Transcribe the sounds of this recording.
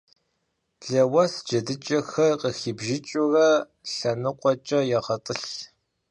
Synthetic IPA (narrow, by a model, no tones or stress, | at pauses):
ɮɐwɐsd͡ʒɐdɨt͡ʃʼɐxɐrqəxiːbʒɪt͡ʃʼurɐ | ɬɐnɨqʷʼɔt͡ʃʼɐjɛʁɐtʼɨɬ